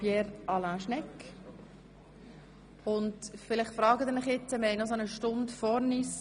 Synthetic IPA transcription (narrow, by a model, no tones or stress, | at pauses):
pjɛːɾʔɑlaːʃnɛk | ʊntfɪlɪχtfɾɑːɡətd̪ɪnɪχjɪt͡səmɛjnɔsonəʃtʊndfɔɾnis